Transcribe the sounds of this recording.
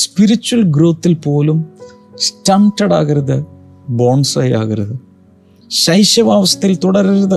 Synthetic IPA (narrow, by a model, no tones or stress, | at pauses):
spiɾit͡ɕːuwɐlɡɾoːt̪ːilpo̞ːlum | staːmʈɐɽa̰ːɣɐɾɐðɨ | boːnsɐja̰ːɣɐɾɐðɨ | ɕɐjɕjɐʋaːʋɐst̪ɐjilt̪uɽɐɾɐɾɐðɨ